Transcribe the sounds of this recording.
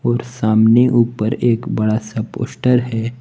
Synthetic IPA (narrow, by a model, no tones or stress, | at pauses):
ɔːɾsaːmneʔuːpəɾeːkbɐɽasɐpo̰ːsʈəɾɦɛː